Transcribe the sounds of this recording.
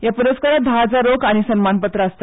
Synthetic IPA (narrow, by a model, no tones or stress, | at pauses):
japuɾəskaɾat̪̚d̪ʱaad͡zaɾokaɽ̃isənmanpət̪ɾəəst̪